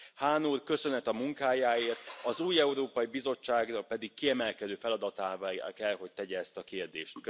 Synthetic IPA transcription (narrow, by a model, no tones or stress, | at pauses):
haːnuːrkø̞sø̞nɛt̪ɒmuŋkaːjaːeːrt̪ɒzuːjɛuɾoːpɒibizo̞t͡ʃːaːɡrɒpɛd̪ikːiɛmɛlkɛd̪øːfɛlɒd̪ɒt̪aːvkɛlɦo̞c̚t̪ɛɟɛːst̪ɒkeːrd̪ḛːʃt̪k